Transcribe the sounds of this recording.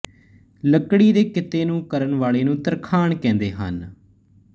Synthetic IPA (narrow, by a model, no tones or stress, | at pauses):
ləkɽiːd̪eːkɪt̪eːnũːkəɾənʋaːleːnũːt̪əɾkʰaːɳkɛ̃ːnd̪eːɦə̰n